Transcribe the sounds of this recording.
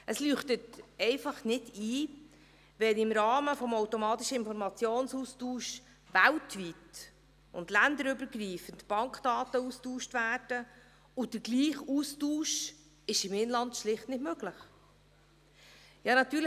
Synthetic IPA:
ʔəslyːχtətɛɪfɑχnɪdiː | ʋɛnɪmɾɑːməfɔmowtomɑːtiʃəɪnfɔɾmɑt͡sjoːnsuːstuːʃ | ʋæltʋit | ʊ̰ndlænd̪əɾʏbəɾɡɾiːfəntb̥ɑŋkd̥ɑːtəustuːʃtvæːɾd̥ə | ʊd̥əɾɡliːχuːstuːʃ | ɪʃɪmɪnlɑntʃlɪχtnɪdmøɡləχ | jɑːnɑt̪yːɾl

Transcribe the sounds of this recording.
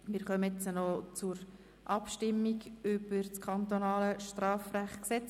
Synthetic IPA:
mɪːɾχœmət͡sənɔt͡sʊɾ | ʔɑpʃtɪmːiɡʏb̥əɾt͡skʰχɑnt̪onɑːləʃtrɑːfræχksɛt͡s

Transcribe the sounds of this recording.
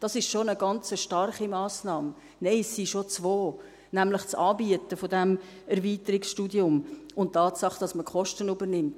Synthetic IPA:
d̥ɑsɪʃʃonəɡɑnt͡səʃtɑrχimɑːsnɑːm | neɪsːiʃot͡svoː | næmlɪχt͡sɑːbiətəfodɛm | ɛɾviːtəɾɪksʃtuːdiʊmʊntːɑːtsɑχd̥ɑsməkʰɔʃtənybəɾnɪmt

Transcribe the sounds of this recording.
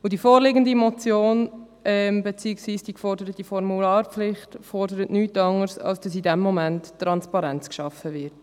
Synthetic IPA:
ʊdifoːɾlɪɡəndimɔt͡sjoːn | ɛmbet͡siɪksviːsd̥iːkfɔɾdəɾət̚d̥ifɔɾmulɑːɾpflɪχtfɔɾdəɾətnyːtɑŋəɾsɑ̰lsd̥ɑs̬idɛmːɔmænttːɾɑnspɑɾɛnt͡skʃɑfəvɪt

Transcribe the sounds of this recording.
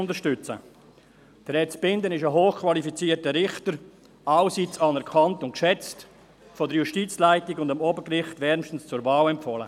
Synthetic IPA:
ʊndəʃtʏt͡sə̰ | d̥əɾɛt͡sb̥ɪndənɪʃəɦoːχkʰvɑlifit͡siːtəɾɪχtəɾ | ɑʊsit͡sɑːnɛɾkʰɑntʊnt̚kʃɛt͡st | fɔdəɾjuʃtiːt͡slaɪtiɡʊndamɔbəkrɪχtvɛɾmʃtn̩st͡sʊɾvaːlɛmpfɔlə̰

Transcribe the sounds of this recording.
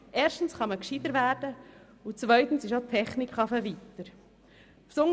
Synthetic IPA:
ʔeːɾʃtn̩sχɑməkʃid̪əɾvæːɾd̥ə | ut͡svœʏt̪ən̩sɪʃotʰːɛχnikχɑfəvit̪əɾ | fsʊŋ

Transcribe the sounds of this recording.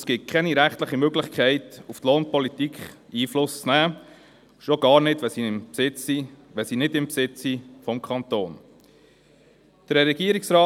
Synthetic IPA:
skɪt̚kʰɛniɾæχtləχimøɡlɪχkʰɛɪtuftloːnpɔlit̪ikχ | iːflʊst͡snæː | ʃoɡɑːɾnɪdʋɛsiɪmpsɪt͡ssiʋɛsinɪdɪmpsɪt͡sifɔmkʰɑnt̪oːn | d̥əɾɛɾɛɡiəɾiksɾɑː

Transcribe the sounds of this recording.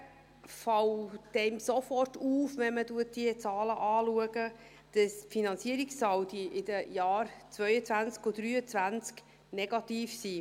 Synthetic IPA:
fɑwd̥ɛmsofɔrtuːfʋɛnmətuət̚d̥iət͡sɑːləʔɑːluəɡə | d̥ɑsfinɑnt͡siəɾiksːɑwdiʔɪd̥əjɑːɾt͡svœʏət͡sʋænt͡skodɾyːət͡svænt͡sk | nɛɡ̥ɑtiːfsiː

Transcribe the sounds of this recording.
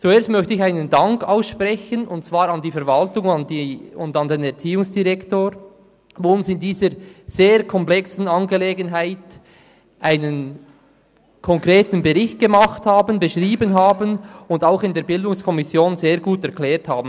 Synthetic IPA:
t͡sueːɐstmœçtəɪçaɪnəndɑŋkaʊsʃprɛçənʊntt͡sv̥aːɾɑndiːfɛɐvɑltʊŋndiʊndɑndeːnɛʁt͡siːʊŋsd̥iʁɛktoːɾ | voʊnsɪndiːzəɾz̥eːɾkʰɔmplɛksn̩ɑnɡeleːɡənɦaɪt | ʔaɪnən | kʰɔŋkʁeːtn̩beʁɪçt̚ɡ̥emɑχthaːbənbəʃʁiːbənɦaːbənʊndaʊxɪndeːɾbɪldʊŋskʰɔmɪsjoːnzeːɾɡuːtɛʁkʰlɛːɾthaːbn̩

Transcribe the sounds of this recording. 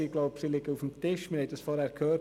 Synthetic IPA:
iɡloʊpsilɪɡəufəm̩tʰɪʃmɪhɛtd̥əsfɔɾhɛɾkʰøː

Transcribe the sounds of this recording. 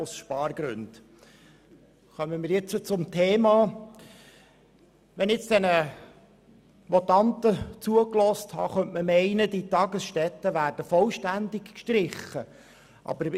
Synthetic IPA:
ʊsʃpɑːɾɡ̥ɾʉ̰nd̥ | χœmənmɪːɾjɪt͡sət͡sʊmtʰeːmɑː | ʋɛnɪt͡sd̥ɛnə | mɔtɑnt̪ət͡suəklɔsthɑ̰ːχœntməmɛɪnəditɑɡəsʃtɛt̪ːəʋæːrd̥əfɔlʃtændɪkkʃtɾɪχːə | ʔɑ̰bəɾ

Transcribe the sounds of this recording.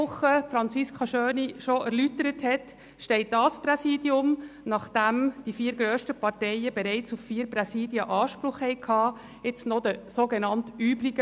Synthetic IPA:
ʊχːəfɾɑnt͡siskχɑʃøːniʃoæɾlytəɾəthɛt | ʃtɛɪt̚dɑspɾɛsiːdjʊmnɑχd̥æmd̥ifiːɾɡɾøːʃtəpɑɾtɛɪəbɛɾɛɪt͡suffiːɾpɾɛsiːdjəʔɑːʃpɾʊχhɛɪkʰhɑː | ɪt͡snɔd̪əsoɡenɑntyːbɾiɡə

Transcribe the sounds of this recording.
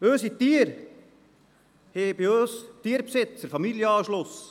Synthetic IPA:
øːsit̪iəɾ | heːbiøːst̪iːəɾpsɪt͡səɾfɑmiljəɑːʃlʊs

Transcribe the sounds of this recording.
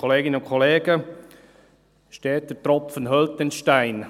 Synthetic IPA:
ɔleːɡɪnəʊnkʰɔleːɡə | ʃtɛːt̚dətɾɔpfənɦœlt̚ːɛnʃtaɪn

